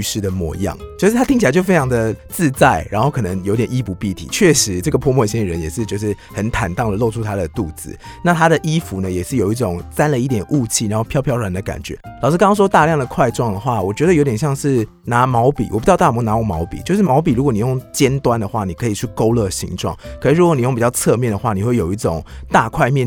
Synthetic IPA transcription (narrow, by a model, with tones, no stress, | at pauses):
y˧ʂɻ̩˥˩d̪ə˩mwɔ̰˥˧jɑ̰˥˨˩ŋt͡ɕjo˥˧ʂɻ̩˥t̪ʰa˥t̪i˥ŋt͡ɕʰa˧˦t͡ɕjo˥˩fe˥ɪʈ͡ʂʰɑ˧˥ŋd̪ə˨t͡sɹ̩˥˧t͡sa˥˩ɪɻa˧˥nxo˥˩ʊkʰɤ˨˩nə˧˦ŋjo˧˥ʊt̪jɛ˨ni˥pu˧˥pi˥˩t̪ʰḭ˨˩t͡ɕʰɥɛ˥˩ʂɻ̩˧˥ʈ͡ʂɤ˥˩ɡə˩pʰwɔ˥˧mwɔ˥˧ɕi˥ə˨ɻə˧˦njɛ˨˩ʂɻ̩˥˧t͡ɕjo˥˧ʊʂ̬ɻ̩˥˩hə˧˦˥nt̪ʰa˨˩nt̪ɑ˥˩ŋd̪ə˩lo˥˧ʊʈ͡ʂʰu˥t̪ʰa˥d̪ə˨t̪u˥˩d͡zɹ̩̰˨˦na˥˩t̪ʰa˥d̪ə˨ʔi˥fu˧˥˦nə˨jɛ˨˩ʂɻ̩˥˩jo˨˩ʊi˥˩ʈ͡ʂo˨˩ŋt͡sa˥nlə˨i˥˩t̪̬jɛ˨˩nʔu˥˧t͡ɕʰi˥˩ɻa˧˥nxo˥˩ʊpʰjɑ˥˧ʊpʰjɑ˥˩wa˨˧˦nd̪ə˨ka̰˨˩nt͡ɕɥɛ̰˧˦lɑ˨˩ʊʂɻ̩˥˩kŋɑ˥ŋʂwɔ˥t̪a˥˧ljɑ˥˩ŋd̪ə˩kʰwa˥˧ɪʈ͡ʂwɑ˥˩ŋd̪ə˩xwa˥˩wɔ˨˩t͡ɕɥɛ˧˥d̪ə˨jo˧ʊt̪̬jɛ˨nɕjɑ˥˧ŋʂɻ̩˥˩ | na˧˥mɑ˧˥ʊpḭ˨˩wʔɔ˨˩pu˧˥t͡ɕɑ˥˧t̪a˥˨˩mɔ˧˥na˧˥wɔ˥˩mɑ˧˥ʊpi˨t͡ɕjo˥˧ʊʂ̬ɻ̩˥˩mɑ˧˥ʊp̬i˨˩ɻu˧˥kwɔ˧˦ni˨˩jo˥˩ŋt͡ɕjɛ˥nt̪wa˥nd̪ə˨xwa˥˩ni˨˩kʰɤ˧˥i˨˩t͡ɕʰy˥˩ko˥ʊlə˥˩ɕḭ˧˥ŋʈ͡ʂwɑ̰˥˩ŋkkʰɤ˧˦ʂ̩˧˥˧ɻu˧˥kwni˨˩jo˥˩ŋpi˨˩t͡ɕɑ˥˧ʊt͡sʰɤ˥˧mjɛ˥˩nd̪ə˩xwa˥˩ni˨˩xwe˥˩jo˨˩ʊi˥˩ʈ͡ʂo˨˩˦ŋt̪a˥˧kʰwa˥˧ɪmjɛ˥˨